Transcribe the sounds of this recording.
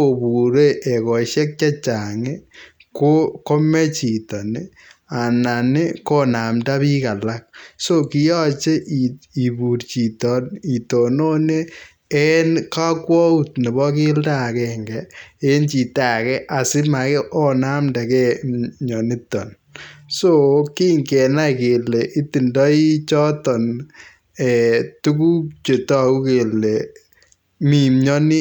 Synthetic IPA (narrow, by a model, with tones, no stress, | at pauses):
o˨bu˨ɾe˦ʔe˨kɔ˨ʃɛ˦k̚t͡ʃa˦t͡ʃa˨ŋe˦ | ko˦ko˦me˦t͡ʃi˨tɔ˨nɪ | a˨na˨nɪ˦ko˦na˨mta˦βi˦ka˨la˦k̚so˦ki˦jɔ˦t͡ʃe˦ʔii˨bu˨rt͡ʃi˨tɔ˨ni˨to˨no˦ne˦ | e˦nka˦kwɔ˦u˦tne˨βɔ˦ki˦lta˨kɛŋɡɛe˦nt͡ʃi˨ta˨kɛ˦ʔa˨sɪ˦ma˨kɛ˦ʔɔ˦na˦mnda˨kɛ˦ɲɔ˨ni˦tɔ̰˨n | so˦ki˦ŋkɛ˨na˦ke˨le˨ʔi˦ti˨ndɔ˦i˦t͡ʃɔ˦tɔ˨n | ɛ˨tu˦ku˦t͡ʃe˨tɔ˦a˨ku˦ke˨le˨ | mi˨mɲɔ˦nɪ˦